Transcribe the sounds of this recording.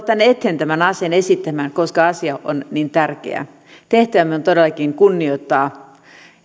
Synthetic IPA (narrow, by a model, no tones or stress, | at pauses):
t̪ːænːet̪ːent̪æmænɑsenesit̪ːæmænkoskɑɑsiɑʔo̰nnint̪ærkḛæ̰ | t̪eht̪æʋæmeont̪odelːɑkiŋkunːioit̪ːɑː